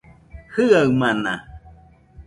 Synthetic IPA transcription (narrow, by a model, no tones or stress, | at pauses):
hɯawmana̰